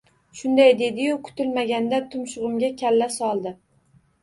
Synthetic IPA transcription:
ʃʊnd̪ajd̪e̞d̪ɪjʊkʰʊ̥t̪ɪlmaɡʲand̪at̪ʰʊmʃʊʁɨmɡʲakʲʰalːasɒlˠd̪ɪ

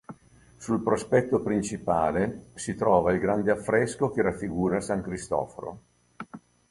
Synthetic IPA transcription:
sulpɾospɛt̪ːopɾint͡ʃipaːlesit̪ɾɔːvailɡɾand̪eafːɾɛskok̟eɾafːiɡuːɾasaŋkɾist̪ɔ̰ːfoɾo̰

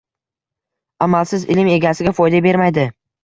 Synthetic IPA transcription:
amalsɪzɪ̰lɪme̞ɡʲasɪɡʲafɒjd̪abe̞ɾmajd̪ɪ

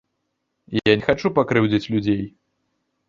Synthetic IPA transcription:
janʲɛxat͡ʂupakɾɨwd͡zʲit͡sʲlʲud͡zʲej

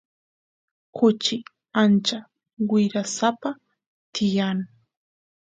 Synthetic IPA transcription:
kʊt͡ʃɪ | ant͡ʃa | wɪɾasapa | t̪ɪjan

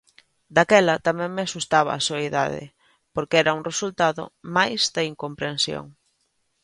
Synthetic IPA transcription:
d̪akɛlɐt̪amɛ̃ŋmɪasust̪aβɐ̰asoeða̰ðɪ̰ | poɾkeɛɾɐuŋresult̪aðʊ̰majzd̪aiŋkompɾensjo̰ŋ

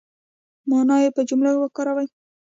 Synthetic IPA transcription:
mɑnɑjepəd͡ʒumlawakɑɾawaj

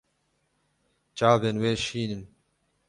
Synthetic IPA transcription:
t͡ʃaːbenweːʃiːnɨm

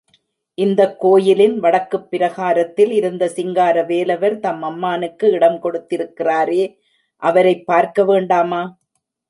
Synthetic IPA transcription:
ʔɪnd̪ɐkːoːjɪlɪnʋɐɽɐkːɯpːɪɾɐɣaːɾɐt̪ːɪlɪɾɯnd̪ɐsɪŋɡaːɾɐʋeːlɐʋɐɾt̪ɐmːɐmːaːnɯkːɯɪɽɐmkɔɽɯt̪ːɪɾɯkːɪraːɾeː | ʔɐʋɐɾɐɪpːaːɾkɐʋeːɳɖaːmaː

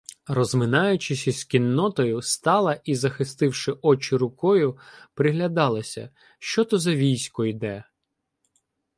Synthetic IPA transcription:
rɔzmɪnɑjʊt͡ʃɪsʲisʲkʲinːɔt̪ɔjʊst̪ɑlˠɐʔizɐxɪst̪ɪwʃɪʔɔt͡ʃɪɾʊkɔjʊpɾɪɦlʲɐd̪ɑlˠɐsʲɐ̰ | ʃt͡ʃɔt̪ɔzɐʋʲijsʲkɔjd̪ɛ

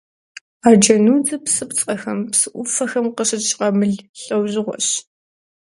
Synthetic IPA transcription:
aːd͡ʒɐnuːd͡zɐpsɨpt͡sʼɐxɐmpsɨʔʷʊfɐxɐmqəɕɪt͡ʃʼqɐmɨɮɬʼɐwʑɪʁʷɔ̰ɕ

